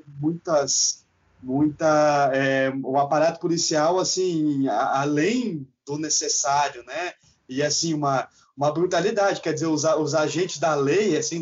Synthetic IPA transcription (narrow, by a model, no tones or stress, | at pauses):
mũj̃t̪ɐs | mũj̃t̪ɐɛʊapaɾat̪ʊ̥pʊlisiawasĩalẽj̃d̪ʊnesesaɾjʊnɛ | ɪasĩũmɐ | ũmɐbɾut̪alid̪ad͡ʒɪkɛɾd͡ʒɪzeɾʊzaʊzaʒẽnt͡ʃɪzd̪ɐlejasĩ